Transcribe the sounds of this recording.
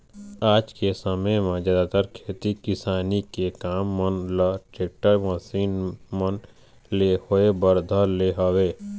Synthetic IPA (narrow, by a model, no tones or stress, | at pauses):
aːd͡ʒkesəməjmẽd͡ʒaːd̪aːt̪əɾkʰeːt̪ikɪsaːnikekaːmːənlaʈeːk̚ʈəɾməsiːnmən | lehoebəɾd̪ʱəleɦoweː